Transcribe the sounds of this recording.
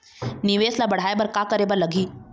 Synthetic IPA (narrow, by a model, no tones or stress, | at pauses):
nɪʋeːslabɐɽ̤aːebɐɾkaːkəɾeːbəɾlɐɡʱiː